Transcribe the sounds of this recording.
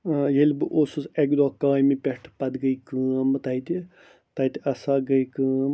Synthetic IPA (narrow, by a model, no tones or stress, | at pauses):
jelʲbɨʔoːsuseɡd̪oːkaːjmipʲeʈʰpɐd̪ɡəikɨːmt̪ɐit̪ʲi | t̪ɐit̪ʲiɐsaɡəjkɨːm